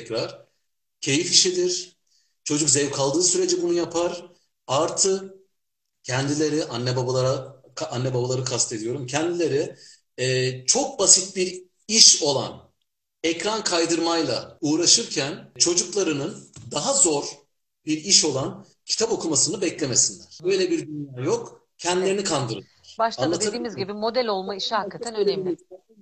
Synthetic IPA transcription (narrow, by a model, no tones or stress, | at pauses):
cɾaɾ̥ | cʰe̞jifiʃid̪iɾ̥ | t͡ʃʰo̞d͡ʒukzɛvkʰalˠd̪ɯːsyɾe̞d͡ʒɛbunujapʰaɾ | aɾt̪ʰɯ | cʰɛnd̪ilʲe̞ɾiʔanːɛbabalˠaɾakʰanːɛbabalˠaɾɯkʰast̪ʰe̞d̪ijo̞ɾumcʰɛnd̪ilʲe̞ɾi | ɛːt͡ʃʰo̞k̚basit̪̚biɾ | iʃo̞lˠa̰n | ɛcɾankʰajd̪ɯɾmajlˠa̰uːɾaʃɯɾcʰænt͡ʃʰo̞d͡ʒuklˠaɾɯnɯnd̪aɦazo̞ɾ | biɾiʃo̞lˠan | cʰi̥t̪ʰapo̞kʰumasɯnɯbɛclʲe̞me̞sinlʲæɾ̥bø̞jlʲɛbiɾd̪ynjaːjo̞k | cʰɛnd̪ilʲe̞ɾinikʰand̪ɯɾɯ̰ | ɾ̥baʃaanˠat̪ʰɯd̪iːmizɟibimo̞d̪ælʲo̞lˠmaiʃɛhakkʰːat̪ʰænønɛmlʲɪ